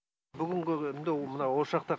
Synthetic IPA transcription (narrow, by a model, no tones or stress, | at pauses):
bʏɡʲɪŋɡʲɪɪnd̪emənɑwoʃɑq̚t̪ɑ